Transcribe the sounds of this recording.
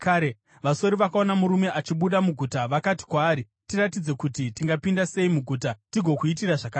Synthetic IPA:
kaɾe | ʋaso̞ɾiʋakao̞namuɾume̞ʔat͡ʃiɓuɗamuɡʱutaʋakati̥kwaːɾi | tiɾat̬id͡ze̞kutitiŋɡapindase̞imuɡʱuːtatiɡʱo̞kuit̬iraʐakaː

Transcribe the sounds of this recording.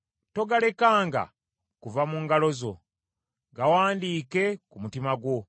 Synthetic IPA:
to̞ɡale̞kaːŋɡa̰ | kuvamuŋɡalo̞zo̞̰ | ɡawaːndiːke̞kumutimaɡwo̞

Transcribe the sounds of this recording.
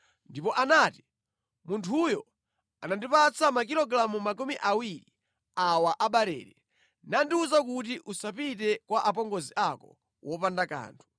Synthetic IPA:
ndipɔʔanaːti | muntʰujɔ | anandipat͡sʰamakiɾlɔɡɾamumakumiʔawiɾi | awaʔaɓaɾɛ̰ːɾɛ | nandiuzak̬utiʔusapitɛkwaʔapɔŋɡɔziʔakɔ̰ | wʔɔpandaka̰ːntʰu̥

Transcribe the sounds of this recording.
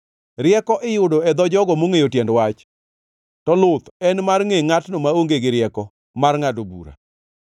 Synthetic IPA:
ɾɪɛkɔʔɪjʊdɔɛd̪ɔd͡ʒɔɡɔmoŋejotjɛndwat͡ʃ | tɔlʊt̪ɛnmarŋeŋatnomaoŋɡeɡɪɾɪɛkɔ | marŋadobṵɾa̰

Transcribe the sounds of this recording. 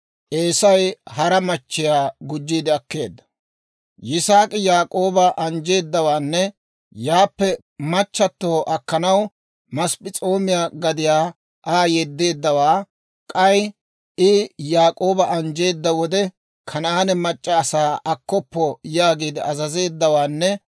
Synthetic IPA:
ʔeːsɐjhɐɾɐmɐt͡ʃːɪjaːɡʊd͡ʒːiːd̪ɪɐkːe̞̰ːd̪ːɐ̥ | jɪsaːkʼɪjaːkʼo̞ːbɐʔɐnd͡ʒe̞ːd̪ːɐwaːnːɛ | jaːpːɛ | mɐt͡ʃːɐt̪ːoːʔɐkːɐnɐw | mɐspɪt͡sʼo̞ːmɪjaːɡɐd̪ɪjaː | ʔaːjɛd̪ːe̞ːd̪ːɐwaː | kʼɐj | ɪjaːkʼo̞ːbɐʔɐnd͡ʒe̞ːd̪ːɐwɔd̪ɛ | kʰɐnaːnɛmɐt͡ʃʼːɐːsaːʔɐkːɔpːɔjaːɡiːd̪ɪʔɐzɐze̞ːd̪ːɐwaːnːɛ

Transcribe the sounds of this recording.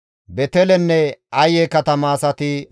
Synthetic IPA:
bɛt̪ɛlɛnːɛɐjɛkɐt̪ɐmaːsɐt̪ɪ

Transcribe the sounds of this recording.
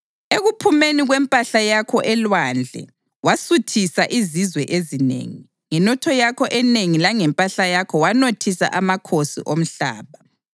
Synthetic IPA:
eɣupʰumeniɣwɛmpʼaɬajakʰɔʔɛlwand͡ɮʱɛ̰ | wasutʰisaʔizizwɛʔezinḛːŋi | ŋɛnɔtʰɔjakʰɔʔɛneŋilaŋɛmpʼaɬajakʰɔwanotʰisa̰ʔamakʰosḭʔom̩ɬa̰ːβa

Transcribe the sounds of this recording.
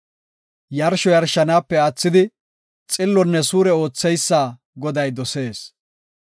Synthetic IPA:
jɐɾʃɔjɐɾʃɐnaːpːɛɐt͡sːɪd̪ɪ | t͡sʼɪlːɔnːɛsuːɾɛo̞ːt͡sːɛjsːaː | ɡɔd̪ɐjd̪ɔse̞ːs

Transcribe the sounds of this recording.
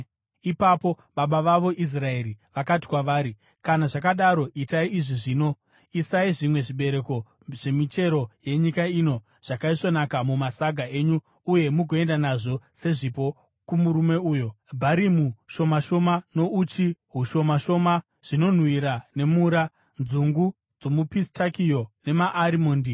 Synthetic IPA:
ipapo̞ | ɓaɓaʋaʋo̞ʔis̬rae̞ɾiʋakati̥kwaʋaːɾi | kanaʐakaɗaɾo̞ʔitaiiʐiʐiːno̞ | isaiʐimwe̞ʐiɓe̞ɾe̞ko̞ | ʐ̥e̞mit͡ʃe̞ɾo̞je̞ɲikaino̞ | ʐ̥akaiʂo̞nakamumasaɡʱae̞ːɲu | uje̞muɡʱoe̞ndanaʐo̞se̞ʐipo̞ | kumuɾume̞uːjo̞ | bʱaɾimuʃo̞maʃo̞mano̞ʔut͡ʃiɦuʃo̞maʃo̞ma | ʐ̥ino̞n̤wiɾane̞muɾa | nzuŋɡu | d͡zo̞mupistakijo̞ne̞maʔːɾimoːndi

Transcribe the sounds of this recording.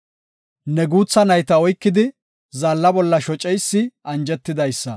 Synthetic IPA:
nɛɡuːt͡sːɐnɐjt̪ɐɔjkːɪd̪ɪ | zɐlːɐbɔlːɐʃɔt͡ʃʼɛjsːɪʔɐnd͡ʒɛt̪ːɪd̪ɐjsːɐ

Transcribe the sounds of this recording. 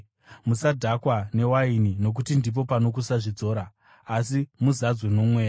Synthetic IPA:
musadʱakwane̞wainino̞k̬utindip̬o̞pano̞k̬usaʐid͡zo̞ːɾaː | simuzad͡zwenomwe̞ːja

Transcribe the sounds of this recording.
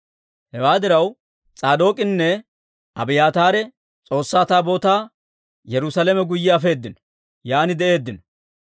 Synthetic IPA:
hɛwaːd̪ɪɾɐw | t͡sʼaːd̪o̞ːkʼɪnːɛ | ɐbɪjaːt̪aːɾɛ | t͡sʼo̞ːsːaːt̪aːbo̞ːt̪aː | jɛɾʊsɐlɛmɛɡʊjːɪɐfe̞ːd̪ːɪnɔ̥ | jaːnɪd̪ɛʔe̞ːd̪ːɪnɔ̥

